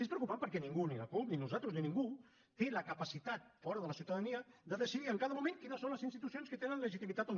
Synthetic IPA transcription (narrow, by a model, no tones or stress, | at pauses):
espɾəwkupampəɾkɛnĩŋɡuniləkupninuzat̪ɾuzninĩŋɡu | t̪eləkəpəsit̪at̪̚fɔɾəðələsiuwt̪aðəniəd̪əðəsiðiəŋkaðəmumẽŋkinəsonləzinst̪it̪usionskət̪enənləʒit̪imit̪at̪on